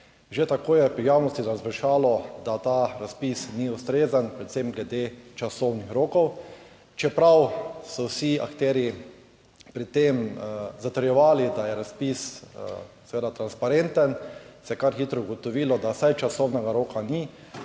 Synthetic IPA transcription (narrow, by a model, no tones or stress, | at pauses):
ʒet̪akoːjɛpɾijaːwnɔst̪izazʋɛʃaːlɔd̪at̪aːɾaspisniʊst̪ɾeːzanpɾɛt̪semɡlɛd̪et͡ʃasɔwnixɾoːkɔw | t͡ʃɛpɾawsɔwsia̰kt̪ɛːɾji | pɾit̪emzat̪əɾjɛʋaːlid̪ajɛɾaspis | sɛʋeːd̪at̪ɾanspaɾent̪ənsɛjɛkaɾxiːt̪ɾɔʊɡɔt̪ɔʋiːlɔd̪asajt͡ʃasɔwnɛɡaɾoːkani